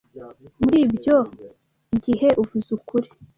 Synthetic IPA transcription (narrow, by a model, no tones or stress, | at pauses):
muɾiːbjo̞ | iɡihe̞ʔuvuzukuɾi̥